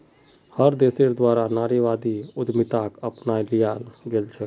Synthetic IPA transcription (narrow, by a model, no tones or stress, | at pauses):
həɾd̪eːseɾd̪waːɾanaːɾiʋaːd̪iʊd̪mɪt̪aːkəpnaːilijaːlɡelt͡ʃʰɛː